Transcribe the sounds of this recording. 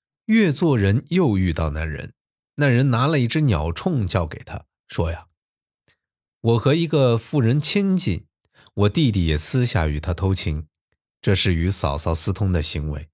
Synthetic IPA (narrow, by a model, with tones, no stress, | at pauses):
ɥɛ˥˧t͡swɔ˥˩ɻə˧˥njo˥˧ʊy˥˧t̪ɑ˥˧ʊna˧˥˩nɻə̰˧˥n | na˥˩nɻə˧˥nna˧˥lə˧i˥˩ʈ͡ʂɻ̩˥njɑ˨˩ʊʈ͡ʂʰʊ˥˧ŋt͡ɕjɑ˥˩ʊkḛ˨˩ɪt̪ʰa̰˥ | ʂwɔ˥ja˨ | wɔ˨˩xɤ˧˥i˧˥ɡə˧fu˥˩ɻə˧˥nt͡ɕʰi˥nt͡ɕḭ˥˩n | wɔ˨˩t̪i˥˧t̪̬i˥˩jɛ˨˩sɹ̩˥ɕja̰˥˩y˨˩t̪ʰa˥t̪ʰo˧˥ʊt͡ɕʰi˧˥ŋ | ʈ͡ʂɤ˥˧ʂɻ̩˥˩y˧˥sɑ˨˩ʊsɑ˧˥˩ʊsɹ̩˥t̪ʰʊ˧˥ŋd̪ə˨ɕi˧˥ŋwḛ˧˥ɪ